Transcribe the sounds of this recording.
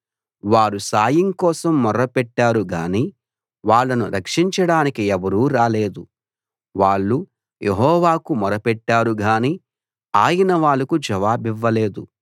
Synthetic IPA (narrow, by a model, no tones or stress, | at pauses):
ʋaːɾusaːjiŋkɔːsɐmːɔɾɐpɛʈːaːɾuɡaːniː | ʋaːɭːɐnuɾɐkʂiɲt͡ʃɐɽaːnikiɛʋɐɾuːɾaːle̞ːd̪u | ʋaːɭːu | jʔeɦɔːʋaːkumɔɾɐpɛʈːaːɾuɡaːniː | aːjɐnɐʋaːɭːɐkud͡ʒɐʋaːbiʋːɐle̞ːd̪u